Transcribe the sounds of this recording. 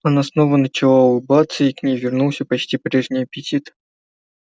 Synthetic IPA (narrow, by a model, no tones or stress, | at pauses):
ɐnasnovənət͡ɕɪlˠabat̪səiknʲejvʲɪrnulˠsʲəpɐt͡ɕtʲipɾʲe̞ʐnʲɪjəpʲɪtʲit̪